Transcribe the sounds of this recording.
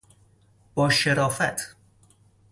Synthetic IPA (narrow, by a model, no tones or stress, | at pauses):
b̥ɒːʃeɾɒːfæt̪ʰ